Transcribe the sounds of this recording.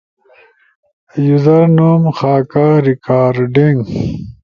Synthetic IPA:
juzɐɾnuːmxaːkaɾikaːɾɖiŋɡ

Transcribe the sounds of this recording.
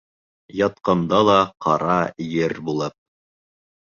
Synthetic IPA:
jɑt̪̚qɑnd̪ɑlˠɑqʰɑɾɑjɘɾbulˠɤp̚

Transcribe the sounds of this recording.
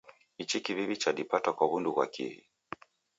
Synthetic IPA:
it͡ʃikiviβit͡ʃaɗipatakwaβundukwa̰kḭhḭ

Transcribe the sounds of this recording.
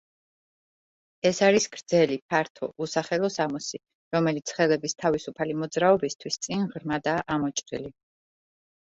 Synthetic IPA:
ɛsaɾisɡ̥ɾd̪zɛlip̚ʰaɾt̪ʰɔ̰ʔusaχɛlˠɔsamɔsi | ɾɔmɛlit̪sʰχɛlɛbist̪ʰavisupʰalimɔd̪zɾaɔbist̪ʰwist̪sʼinʁɾmad̪aːʔamɔt͡ʃʼɾḭli

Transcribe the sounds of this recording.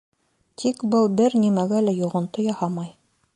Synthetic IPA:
t̪ʰikbɤlˠbɘɾnimæɡælæjuʁɤ̆nt̪ojɑhɑmɑj

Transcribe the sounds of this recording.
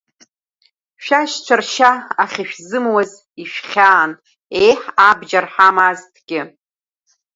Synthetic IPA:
ʃᶣaʃt͡ʃʷʰarʃaaχʲiʃᶣzɨmwaz | iʃᶣχʲaːn | ejħabd͡ʒarħamaztʰɡʲɪ

